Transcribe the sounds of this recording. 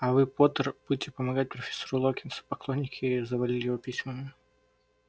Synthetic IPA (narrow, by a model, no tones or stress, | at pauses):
ɐvɨpot̪ərb̥udʲɪtʲɪpəmɐɡat̚ʲpɾəfʲe̥sɐɾulˠokʲɪnsə̥pɐklˠonʲːɪkʲʰɪzəvɐlʲilʲɪjɪvopʲisʲməmʲɪ